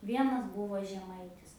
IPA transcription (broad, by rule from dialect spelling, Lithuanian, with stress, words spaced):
ˈʋʲiɛnɐs ˈbʊʋoː ʒʲɛˈmɐɪtʲɪs